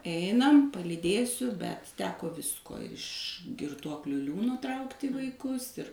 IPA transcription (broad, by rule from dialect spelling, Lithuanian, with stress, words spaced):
ˈɛɪnɐm pɐlʲiːˈdʲeːsʲʊ bʲɛt ˈtʲæːkoː ˈʋʲɪskoː ɪʃ ɡʲɪrˈtuɔklʲʊ ˈlʲuːnoː ˈtrɐʊktʲɪ ʋɐɪˈkʊs ɪr